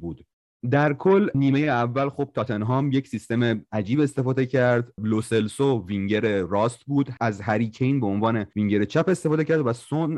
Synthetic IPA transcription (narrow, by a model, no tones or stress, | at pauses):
buːd̪ | d̪æɾkʰolniːme̞jeævːælxob̥̚t̪ʰɒːt̪ʰenɦɒːmjecsist̪e̞meæd͡ʒiːbe̞st̪e̞fɒːd̪ecʰæɾd̪lose̞lsoviŋɟeɾeɾɒːst̪buːd̪ʔæzhæɾiːcʰenbeonvɒːne̞viŋɟe̞ɾet͡ʃʰæpe̞st̪efɒːd̪ecʰæɾd̪væson